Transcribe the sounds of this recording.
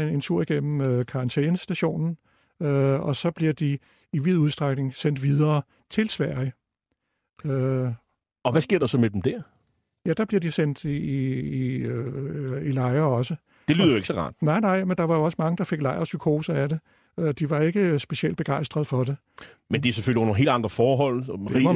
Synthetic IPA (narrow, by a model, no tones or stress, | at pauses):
ent͡sʰuɐ̰iɡ̥en̰m̩økʰɑ̈ʁɑ̈nt͡sʰeːnəsd̥æɕo̝̰ːnn̩ | øɒ̽sɒ̽b̥liɐd̥i | iʋið̞̰ˠuðˠsd̥ʁaɡ̥ne̝ŋsen̰d̥ʋið̞ˠɐː | t͡sʰe̝lsʋæɐ̰jə | ø | ɒ̽ʋæsɡ̥e̝ɐ̰d̥ɑsɒ̽med̥emd̥æɐ̰ | jæd̥ɑ̈b̥liɐdisen̰d̥ | ilɑ̈ɪɐɒ̽sə | d̥e̝lyːðˠjoe̝ɡ̥sɒʁɑ̰̈ːd̥nɑ̈ɪ̰nɑ̈ɪ̰mend̥ɑ̈ʋɑ̈jo̝ɒ̽səmɑ̈ŋəd̥ɑ̈fe̝ɡ̥lɑ̈ɪɐsykʰo̝ːsɐæɾe̝ | ød̥iʋɑ̈e̝ɡ̥əsb̥e̝ɕield̥b̥e̝ɡ̥ɑ̈ɪ̰sd̥ʁɐð̞̩ˠfɒ̽d̥e̝ | mend̥iæseføl̰ionəɦe̝̰ːldɑ̈nd̥ʁɐfɒːɦɒ̽l̰d̥eʁi